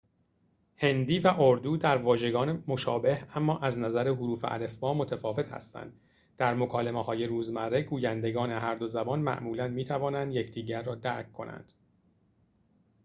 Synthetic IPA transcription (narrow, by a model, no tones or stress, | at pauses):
he̞nd̪iːvæʔoɾd̪uːd̪æɾvɒːʒe̞ɡɒːnemo̞ʃɒːbe̞hæmːɒːʔæznæzæɾeɦuɾuːfeʔæ̰le̞fmɒːmo̞t̪ʰæfɒːve̞t̪hæ̰st̪æ̰nd̪ | d̪̥æɾmo̞kʰɒːle̞mehɒːje̞ɾuːzmæɾːe̞ɡuːjænd̪e̞ɡɒːne̞ɦæɾd̪o̞zæbɒːnmæ̰ʔmuːlænd̪miːt̪ʰævɒːnænd̪je̞cʰd̪iːɟæɾːɒːd̪æɾkʰkːo̞næ̰nd̪̥